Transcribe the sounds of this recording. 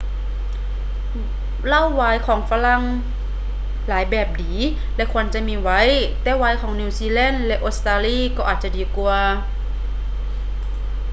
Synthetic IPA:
la˧˥˨wːaː˧˦jkʰɔː˩˦ŋfa˧la˧˥˨ŋ | laː˩˦jbɛː˨˩p̚diː˨˩˦ | lɛ˧˥kʰu˧ə˨nt͡ɕa˧˨miː˧˥wa˧˥˨jt̪ɛː˨˦waː˧˥jkʰɔː˩˦ŋniː˧˩˨siː˧lɛ˧˥˨nlɛ˧˥ʔoː˧˥st̪aː˧liː˧˥˨kɔː˧˨ʔaː˨˩t̪̚t͡ɕa˧˨diː˨˦ku˧ɐ

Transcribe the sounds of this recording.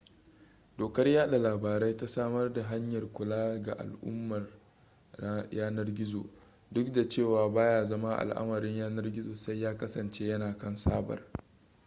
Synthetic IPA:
doː˨kɐ˦rjaː˦ɗa˨laː˨baː˨ɾa˦jta˦saː˦mɐ˦rda˨ɦa˦ɲjɐ˨rkʷʊ˨laː˦ɡa˨ʔa̰˨lʔʊ̰˦mːɐ˨r | jaː˦nɐ˦rɡʲɪ˦zo̰˨ | dʊ˦kda˨t͡ʃeː˦˨waː˨baː˦jaː˨zɐ˦ma˦ʔa̰˨lʔa̰˦mɐ˨ɾɪ˦ɲjaː˦nɐ˦rɡʲɪ˦zoː˨sa˦jːaː˦kɐ˦sɐ˨nt͡ʃeː˦jɐ˦naː˨kɐ˦nsaː˦bɐ̰˨r

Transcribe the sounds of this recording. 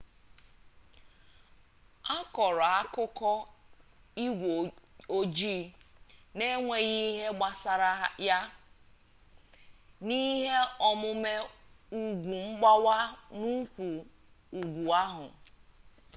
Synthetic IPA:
a˦kɔ˨ɾɔ˨a˦kʊ˦kɔ˦ | i˦ɡʷo˦d͡ʒi˦˨ | ne˦ŋʷe˨ɣi˦ɦe˦ɡ͡ba˨sa˨ɾa˦ja˦ | ni˦ɦe˦ɔ˦mʊ˦me˦ | u˨ɡʷu˨m̩˦ɡ͡ba˦wa˦nu˦kʷu˨ | u˨ɡʷu˨a˦ɦʊ̰˨

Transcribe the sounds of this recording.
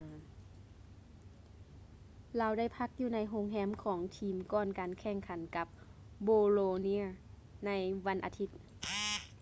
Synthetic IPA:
laː˧˩wda˥˩jpʰa˧˦˥k̚juː˧˩na˧˥jɦo˧˥ŋɦɛː˧˥mkʰɔː˩˦ŋt̪ʰiː˧˩mkɔː˧˩nkaː˨nkʰɛː˧˩ŋkʰa˨˦nka˧˦˥p̚ | boː˧loː˧ni˧˥ə˨ | na˧˥jʋa˧˥nʔa̰ː˨˩t̪ʰi˧˥t̪̚

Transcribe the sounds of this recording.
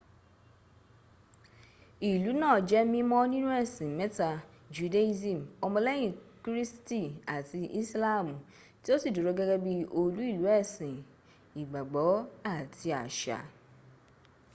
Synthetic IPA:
i˨lu˨˦nãː˦˨d͡ʒɛ˦mĩ˦mɔ̃˦nĩ˦nũ˦ɛ˦˨sĩ˨mɛ˨˦ta˧ | d͡ʒu˨de˦zĩ˦˨m˨ɔ˧mɔ̃˧lɛ˦j̃ĩ˨kɾi˦sti˦˨a˨ti˧i˦sla˦˨mũ˨ | ti˦o˦si˦˨do˨ɾo˨˦ɡɛ˦ɡɛ˦bi˧o˧lu˨˦i˦˨lu˨˦ɛ˦˨sĩ˨ | i˨ɡ͡ba˨ɡ͡bɔ˨˦a˦˨ti˧a̰˨ʃa̰˨

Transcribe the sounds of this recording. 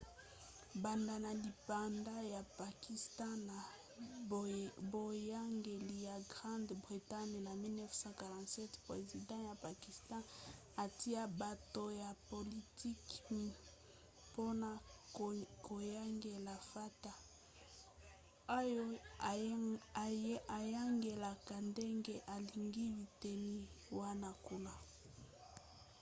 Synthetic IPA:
ba˨nda˨na˨li˨pa˨nda˦ja˨pa˨ki˨stã˦na˨ | bo˨ja˦ŋɡe˨li˨ja˨ɡʁã˦ndbʁi˨ta˦ɲna˨mi˦lnɛ˦fsɑ̃˦ka˨ʁã˨tsɛ˦tpʁe˨zi˨dɑ̃˦ja˨pa˨ki˨stɑ̃˦ | a˨ti˦a˦ba˨to˨ja˨po˨li˨ti˦kmi˨ | po˦na˦ | ko˨ja˦ŋɡe˨la˨fa˦ta˨ | o˦jo˦˨ | a˨ja˦ŋɡe˨la˨ka˨nde˦ŋɡe˦ʔa˨li˨ŋɡi˦bi˨te˨ni˦wa˦na˦ku˦na˨

